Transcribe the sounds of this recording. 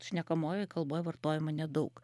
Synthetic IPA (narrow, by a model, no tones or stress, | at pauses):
ʃʲnʲɛkɐmoːjoɪkɐlˠboːjʋɐrt̪oːjɪmɐnʲɛd̪ɐʊk